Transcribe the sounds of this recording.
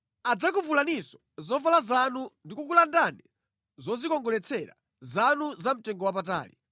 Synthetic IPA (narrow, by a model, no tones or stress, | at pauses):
ad͡zak̬uvulanisɔ̥ | zɔvalazanundikuk̬ulandanɛ | zɔzikɔŋɡɔlɛt͡sʰɛɾa̰ | zanuzam̩tɛŋɡɔwap̬ata̰ːli